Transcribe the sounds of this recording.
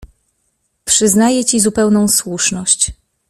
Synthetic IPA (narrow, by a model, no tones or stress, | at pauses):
pʂɘznajɛt͡ɕizupɛwnɔ̃w̃swuʂnɔɕt͡ɕ